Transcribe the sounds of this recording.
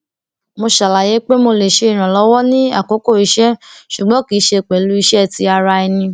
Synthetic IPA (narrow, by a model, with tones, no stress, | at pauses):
mo˧ʃa˨la˨je˨˦k͡pe˦mo˧le˨ʃe˧i˨ɾ̃ã˨lɔ˨˦wɔ˦nĩ˦a̰˦˨ko˨˦ko˦˨i˨˧ʃɛ˦ʃu˨ɡ͡bɔ̃˨˦ki˨˦ʃe˧˨k͡pɛ˨lu˦i˧ʃɛ˦˨ti˧a˧ɾa˧i˧nĩ˧